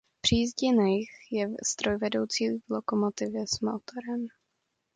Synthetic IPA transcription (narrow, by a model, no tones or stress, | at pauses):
pr̥iːzɟɛnaɛjxjɛst̪ɾo̞jvɛdo̞wt͡siːvlokomot̪ɪvjɛsmot̪oɾɛm